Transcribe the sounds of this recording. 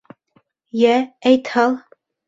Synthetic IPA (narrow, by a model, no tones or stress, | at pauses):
jææjt̪hɑlˠ